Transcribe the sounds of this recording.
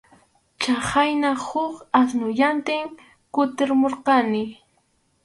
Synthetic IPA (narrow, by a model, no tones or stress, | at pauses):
t͡ʃahajnahʊkasnʊʎant̪ɪŋ | kʊt̪ɪɾmoɾqɑnɪ